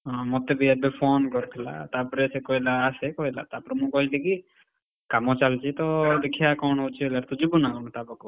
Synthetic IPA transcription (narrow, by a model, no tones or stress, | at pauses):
ɔ̃mɔt̪ebʱiɛbepʰɔːnkɔɾt̪ʰɛla̰t̪apɾesekɔɦilaːsekɔɦila̰t̪apɾemũkɔɦiliki | kamɔt͡ʃalt͡ʃʰit̪ɔd̪ekʰijakɔɳɦot͡ʃʰielaɾt̪ud͡ʒibunakɔnɔt̪abɔkɔ